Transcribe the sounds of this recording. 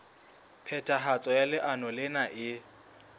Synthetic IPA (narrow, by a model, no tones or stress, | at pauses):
pʰɛtʼaɦat͡sʼɔjalɪʔanɔlɪnaʔɪ